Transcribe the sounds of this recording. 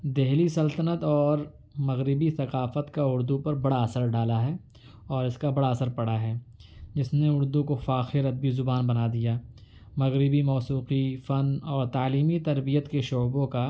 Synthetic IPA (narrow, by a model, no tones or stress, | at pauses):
d̪eɦlisɐlt̪ənət̪ɔːɾ | mɐɣɾɪbiθɐqaːfət̪kaʊɾd̪upɐɾbɐɽaɐsəɾɖaːlaɦɛː | ɔːɾɪskabɐɽaɐsəɾpɐɽaɦɛːd͡ʒɪsneʊɾd̪ũkofaːxɪɾɐd̪̚bizʊbaːnbɐnad̪ijaː | mɐɣɾɪbimɔːsuːqifɐnɔːɾt̪aːliːmit̪ɐɾbijət̪keʃoːbõka